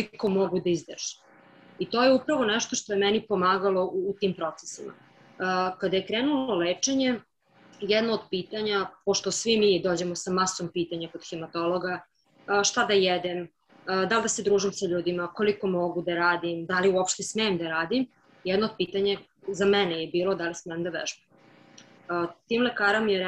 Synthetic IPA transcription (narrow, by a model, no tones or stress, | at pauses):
oliko̞moɡud̪aizd̪rʒ̥i̥ | it̪o̞ːjeupɾaʋonɛʃt̪o̞ʃt̪o̞jemɛnipo̞maːɡalˠo̞ʔuːt̪iːmpɾo̞t̪se̥simʔa̰ | kad̪ajekɾeːnuloleːt͡ʂeɲe | jɛd̪nood̪̚piːt̪aɲapoʃt̪o̞sʋimid̪oːd͡ʑe̞mosamaso̞mpiːt̪aɲakod̪xemat̪o̞loɡa | ʃt̪ad̪ajɛd̪em | d̪ald̪ase̞d̪ɾuːʒimsaʎuːd̪imako̞liko̞mo̞ɡud̪aɾaːd̪imd̪aliuopʃt̪esmeːmd̪aɾaːd̪im | jɛd̪nood̪̚piːt̪aɲa | zamɛnejebiːlˠo̞d̪alismɛemd̪aʋɛ̰ʒbe | t̪iːmlekaːɾamijeɾ